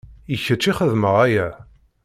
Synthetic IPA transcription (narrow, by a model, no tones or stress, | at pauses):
içət͡ʃːiχəðməʁæjæ